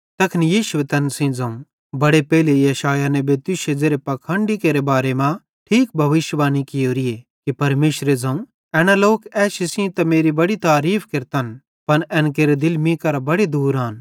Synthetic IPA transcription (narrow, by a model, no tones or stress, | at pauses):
t̪ɐkʰnijiːʃʊʋet̪ɐnsĩd͡zɐ̃ũ | bɐɽepɛːlejɐʃaːjanɛ̃bʱet̪ʊʃed͡zeːɾepɐkʰə̃ɳɖikeːɾebaːɾemã | ʈʰiːk̚bʱɐʋɪʃʋaːnikɪjoːɾijekipɐɾmeːʃɾed͡zɐ̃ũ | ɛːɽ̃aloːkɛːʃɪsĩt̪ɐmeːɾibɐɽit̪aːɾiːpʰkɪɾt̪an | pɐnʔɛ̃ːnk̬eːɾed̪ɪlmĩkɐɾabɐɽed̪uːɾaːn